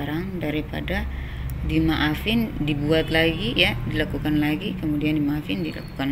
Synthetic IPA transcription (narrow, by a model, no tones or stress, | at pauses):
aɾaŋdaɾipa̰da | dimaʔafɪndibuat̪laɡijadilakukanlaɡikəmudiandimaafɪndila̰ku̥kan